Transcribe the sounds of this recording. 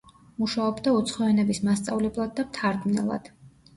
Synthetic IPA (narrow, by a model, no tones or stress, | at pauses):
muʃaɔbd̪aut̪sʰχɔanɛbismast̪sʼavlɛblˠad̪̚ːamt̪ʰaɾd̪nɛ̰lˠa̰d̪̥